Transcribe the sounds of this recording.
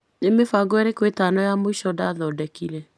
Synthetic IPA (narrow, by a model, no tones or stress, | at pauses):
nemefaɡoɛɾekwetanɔjamoiʃɔdaðɔdɛkiɾɛ